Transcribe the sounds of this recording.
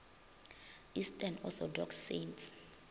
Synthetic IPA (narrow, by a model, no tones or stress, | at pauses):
istʰʼanɔθɔdɔksːents